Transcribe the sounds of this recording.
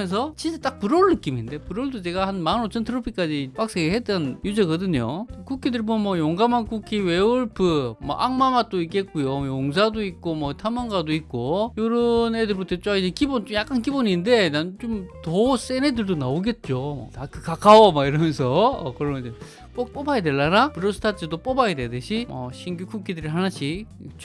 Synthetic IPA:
ens̬ʰʌt͡ɕint͡ɕ͈et͈ak̚pɯɾoɭːɯk͈iminde̞puɾoɭdot͡ɕe̞ɡahanmannot͡ɕʰʌntʰɯɾʌpʰik͈ad͡ʑipak̚s͈eɡɯɭɦet͈ʌnjud͡ʑeɡʌdɯɲo̰kukʰidɯɾbonmwʌjoŋɡamankukʰiweuɭpʰɯmʌ̰ʔaŋmamat͈oik͈e̞t̚k͈ujojoŋs̬ʰadoik̚k͈omʌtʰamaŋɡadoik̚k͈ojoɾɯnedɯɭbutʰʌt͡ɕ͈aid͡ʑekibont͡ɕomjak͈ankiboninde̞nant͡ɕomtʌs͈enedɯɭdonaoɡe̞t̚t͡ɕ͈omʌ̰tak͈ɯkak͈awomaiɾʌmjʌnsʰʌʌ̰kɯɾʌmʌe | p͈ok̚p͈obajede̞ɭːanapɯɾʌsʰɯ̥tʰat͡ɕ͈ʰɯdop͈obajededɯɕʰimʌ̰ɕʰinɡukʰukʰidɯɾiɦanaɕʰi | t͡ɕ

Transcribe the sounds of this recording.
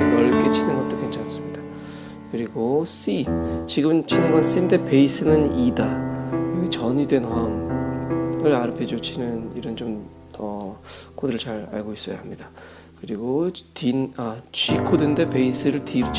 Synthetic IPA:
jʌɭk͈e̞t͡ɕʰinɯnɡʌt͈okʰent͡ɕʰans͈ɯmɲid̥a | kɯɾiɡosit͡ɕiɡɯmmt͡ɕʰinɯnɡʌns͈inde̞pe̞is͈ʰɯnɯnidajʌɡit͡ɕʌɲide̞naŋ | ɯɾaɾɯpʰed͡ʑot͡ɕʰinɯniɾʌnt͡ɕom | tʌkodɯɾɯɭt͡ɕaɾa̰ɭɡois͈ʌja̰hamɲida | kɯɾiɡotinat͡ɕɥikʰodɯnde̞pe̞is͈ʰɯɾɯɭtʰiɾʰ

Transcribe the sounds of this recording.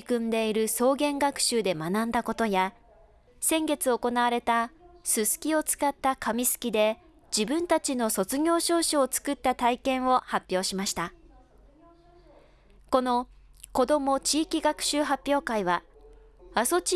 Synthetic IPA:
kɯ̟̃nd̪e̞iɾɯ̟so̞ːɡẽ̞ŋɡakɯ̟̥ɕɨːd̪e̞manãnd̪ako̞t̪o̞ja | sẽ̞ŋɡe̞t͡sɨo̞ko̞naβaɾe̞t̪asɨsɨ̥kʲio̞t͡sɨ̥kat̪ːakamʲisɨ̥kʲid̪e̞ | d͡ʑibɯ̟̃nt̪at͡ɕino̞so̞t͡sɨɡʲo̞ːɕo̞ːɕaːt͡sɨ̥kɯ̟t̪ːat̪aikẽ̞ɰ̃o̞hapʲːjo̞ːɕimaɕi̥t̪a | ko̞no̞ko̞d̪o̞mo̞t͡ɕiːkʲiɡakɯ̟̥ɕɨːɦapʲːjo̞ːkaiβa | aso̞t͡ɕ

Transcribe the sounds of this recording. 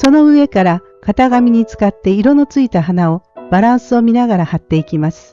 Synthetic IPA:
so̞no̞ɯ̟e̞kaɾa | kat̪aɡamʲiɲ̟it͡sɨ̥kat̪ːe̞iɾo̞no̞t͡sɨit̪aɦanao̞b̥aɾãɰ̃sɨo̞mʲinaɣaɾahat̪ːe̞ikʲimasɨ̥

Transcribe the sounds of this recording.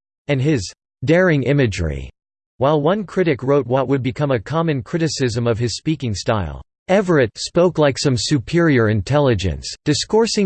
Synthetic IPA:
ɨ̃nɪz | dɛɹɪ̃ŋɪ̃mɨd͡ʒɹḭ | waɪlˠwʌ̃nkʰɹ̥ɪɾɨkɹoʊt̚wʌt̚wɨd̚bɨkʰʌ̃mɨkʰɑmɨ̃nkʰɹ̥ɪɾɨsɪzɨ̃mʌv̥ɨz̥spikɪ̃ŋstaɪlˠ | ɛvə˞ɨtspoʊklaɪksʌ̃msʉpʰɪɹiə˞ɨ̃ntʰɛlˠɨd͡ʒɨ̰̃nsd̥ɨskɔɹsɪ̃

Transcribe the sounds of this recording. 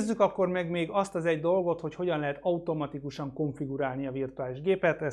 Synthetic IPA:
zːykɒkːo̞rmɛɡmeːɡɒst̪ɒzɛɟd̪o̞lɡo̞t̪ho̞cho̞ɟɒnlɛɦɛt̪ɒut̪o̞mɒt̪ikuʃɒŋko̞ɱfiɡuɾaːlniɒvirt̪uaːliʒɡeːpɛt̪ɛ

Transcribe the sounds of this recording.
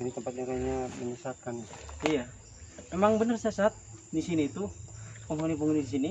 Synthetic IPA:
init̪əmpat̪̚ɲakaɲabənərsaɦat̪̚kanija | memaŋbənərsajasaat̪̚disiniːt̪upɔŋonipuŋunidis̬ini

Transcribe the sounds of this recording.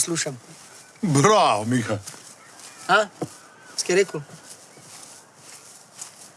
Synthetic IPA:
sluʃam | bɾawmiːxa | a | skiɾeːku

